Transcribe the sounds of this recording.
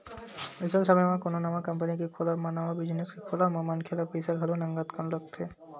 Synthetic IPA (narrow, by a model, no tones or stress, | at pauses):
isəlsəməjmãkononamakəmpənikekʰolamanaʋabid͡ʒniskekʰolamamənkʰelapejsaɡʱɐlonəŋɡat̪kʰanlək̚t̪ʰe